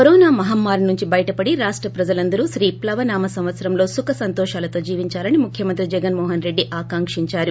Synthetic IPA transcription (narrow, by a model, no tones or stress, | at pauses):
kɐɾɔːnaːmɐɦamːaːɾnuɲt͡ʃibɐjɐʈɐpɐɽiɾaːʂʈɾɐpɾɐd͡ʒɐlɐnd̪ɐɾuʃɾiːplɐʋɐnaːmɐsɐ̃m̃ʋɐt̪sɐɾɐmlo̞ːsukɐsɐnt̪ɔːʃaːlɐt̪o̞ːd͡ʒiːʋiɲt͡ʃaːlɐnimukʰjɐmɐnt̪ɾid͡ʒɛɡɐnmɔːɦɐnɾeɖːiʔaːkaːŋkʂiɲt͡ʃaːɾu